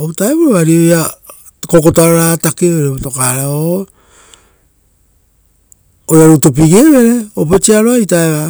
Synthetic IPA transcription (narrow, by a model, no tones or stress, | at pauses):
otaeβuɾoaɾioja | kokotoaɾoɾatakeɾeβotokaɾao | ojaɾutop̬iɡeβe̞ɾe̞op̬et͡ʃiaɾoaitaeβa